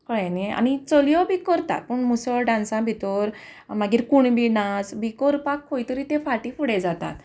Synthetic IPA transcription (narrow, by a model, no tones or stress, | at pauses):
kəɭɛniea̰ñit͡sɔlijɔbʱikəɾt̪a̰t̪̚pəɳmusɔɭɖãnsãbʱit̪ɔɾmaɡiːɾkuɳbinad͡zbʱikɔɾpakʰːojt̪əɾit̪ẽfaʈifuɽɛd͡zat̪a̰t̪